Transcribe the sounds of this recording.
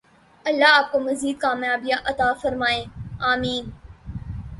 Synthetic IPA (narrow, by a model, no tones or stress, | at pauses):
ɐlːaaːp̚komɐziːd̪̚kaːmjaːbɪjãʔɐt̪aːfɐɾmaːẽːaːmiːn